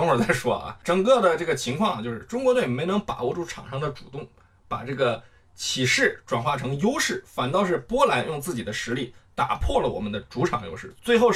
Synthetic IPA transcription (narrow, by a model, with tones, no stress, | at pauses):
ŋə˞˨˩t͡sa˥˩ɪʂwɔ˥ɐ̰˧ʈ͡ʂɤ˨˩ŋkɤ˥˩d̪ə˩ʈ͡ʂɤ˥˩ɡə˩t͡ɕʰi˧˥ŋkʰwɑ˥˩ŋɐ˩t͡ɕjo˥˧ʊʂɻ̩˥˩˧ʈ͡ʂʊ˥ŋkwɔ˧˥t̪we˥˩ɪme˧˥ɪnɤ˧˥ŋpa̰˨˩wɔ˥˧ʈ͡ʂu˥ʈ͡ʂʰɑ̰˨˩ŋʂɑ˥ŋd̪ə˧˨ʈ͡ʂu˨˩t̪ʊ˥˩ŋ | pa̰˨˩ʈ͡ʂɤ˥˩ɡə˩ | t͡ɕʰi˨˩ʂɻ̩˥˩ʈ͡ʂwa˨˩nxwa˥˩ʈ͡ʂʰɤ˧˥ŋjo˥ʊʂɻ̩˥˩fa˨˩nt̪ɑ˥˧ʊʂ̬ɻ̩˥˩pwɔ˥la˧˥njʔʊ˥˧ŋt͡sɹ̩˥˩t͡ɕi˨˩d̪ə˦ʂɻ̩˧˥li˥˩t̪a̰˨˩pʰwɔ˥˩lə˩wɔ̰˨˩mə˦nd̪ə˧ʈ͡ʂu˧˥ʈ͡ʂʰɑ˨˩ŋjo̰˥ʊʂɻ̩˥˩t͡swe˥˧ɪxo˥˧ʊ